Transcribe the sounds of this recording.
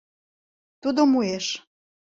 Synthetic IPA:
t̪ud̪omueʃ

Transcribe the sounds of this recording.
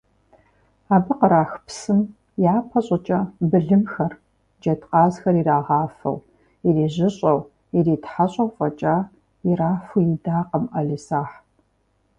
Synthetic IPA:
aːbɨqəɾaːxpsɨm | jjaːpʰɐɕʼɐt͡ʃʼɐbɨɮɨmxɐr | d͡ʒɐtʰqɑːzxɐriraːʁɑːfɐ̰w | iriːʑɪɕʼɐw | iriːtħaɕʼɐwfʼɐt͡ʃʼaː | iraːfujidaːqəmʔɐɮisaːħ

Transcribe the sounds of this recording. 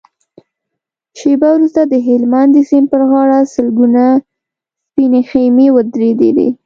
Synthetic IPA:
ʃebawɾust̪ad̪əɦɪlmand̪əsempəɾɣɑɽasəlɡuna | spinexejmewəd̪ɾed̪ḛd̪ḛ

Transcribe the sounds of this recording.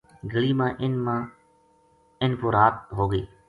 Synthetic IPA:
ɡəliːmãːʔɪnmãː | ɪnpoːɾaːt̪̚ɦoːɡeː

